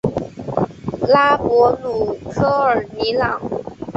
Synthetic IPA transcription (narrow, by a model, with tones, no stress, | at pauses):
la˥pwɔ˧˥lu˨˩kʰɤ˥ə˨˩ni˧˥lɑ˨˩˦ŋ